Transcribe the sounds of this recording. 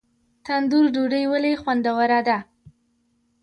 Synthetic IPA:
t̪and̪uɾɖoɖəjwəlexwand̪awaɾad̪a

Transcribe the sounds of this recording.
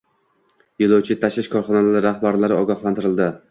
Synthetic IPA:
jɪlˠowt͡ʃʰɪt̪ʰaʃlɪʃkʰɒɾχɒnalaɾɪɾahbaɾlaɾɪɒɡɒhlˠant̪ɪɾɪld̪ɪ

